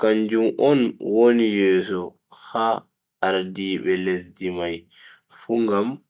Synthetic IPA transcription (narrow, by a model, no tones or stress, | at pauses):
kaɲd͡ʒumʔɔnwonijɛːsɔ | haː | ɾdiːɓɛlesdimaj | fuŋɡam